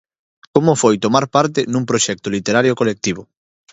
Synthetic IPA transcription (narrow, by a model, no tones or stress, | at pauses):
komʊfojt̪omaɾpaɾt̪ɪnũŋpɾoʃɛk̚t̪ʊlit̪eɾaɾjokolek̚t̪iβʊ